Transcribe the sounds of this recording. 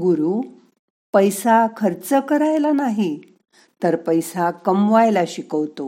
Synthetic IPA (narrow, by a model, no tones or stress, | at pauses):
ɡuɾuː | pəjsakʰəɾt͡səkəɾajlanaɦi | t̪əɾpəjsakəmʋajlaɕikəʋt̪o